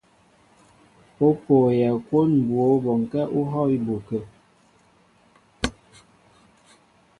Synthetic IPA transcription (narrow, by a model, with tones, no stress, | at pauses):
o˦poː˨jɛ˨kwo˦nm̩˨bwo˨˦bɔ˨ŋ˨kɛ˦ʔu˦ɦɔ˦i˦bo˨kə˨